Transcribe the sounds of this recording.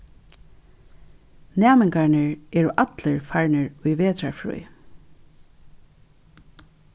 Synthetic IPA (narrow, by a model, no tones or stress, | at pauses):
næːmɪŋkaɹnəɹɛːɹʊʔat̪ləɹfaɹnəɹʊjʋeːt̪ɾaɹfɹṵj